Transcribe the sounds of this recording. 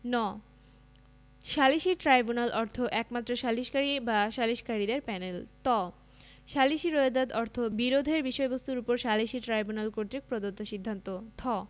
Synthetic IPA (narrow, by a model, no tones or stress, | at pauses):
nɔ | ʃaliʃiʈɾajbunalʔɔɾt̪ʰoʔɛkmat̪ːɾoʃaliʃkaɾibaʃaliʃkaɾid̪eɾpɛnelt̪ɔ | ʃaliʃiɾoed̪ad̪ɔɾt̪ʰobiɾod̪ʱeɾbiʃɔebost̪uɾupoɾʃaliʃiʈɾajbunalkoɾt̪ɾik̚pɾod̪ot̪ːoʃid̪ʱːant̪ot̪ʰɔ